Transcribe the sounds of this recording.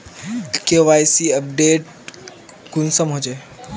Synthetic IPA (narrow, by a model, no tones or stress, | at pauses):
keʋajsiəp̚ɖeːʈ | kunsəmɦod͡ʒe